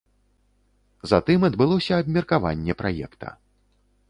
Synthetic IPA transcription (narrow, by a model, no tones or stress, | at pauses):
zat̪ɨmɐd̪bɨlˠɔsʲɐːbmʲirkava̰nʲːɛpɾajɛ̰kt̪ʰɐ̰